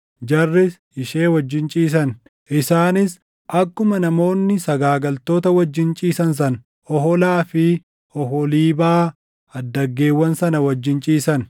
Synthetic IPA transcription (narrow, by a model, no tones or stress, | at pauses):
d͡ʒɐrːɪs | ɪʃe̞ːwɐd͡ʒːɪnt͡ʃʼiːs̬ɐn | ʔɪsaːnɪs | ʔɐkːʊmɐnɐmo̞ːnːɪsɐɡaːɡɐlt̪o̞ːt̪ɐwɐd͡ʒːɪnt͡ʃʼiːsɐns̬ɐn | ɔhɔlaːfɪ | ɔɦɔliːbaː | ɐd̪ːɐɡːe̞ːwːɐnsɐnɐwɐd͡ʒːɪnt͡ʃʼiːsɐn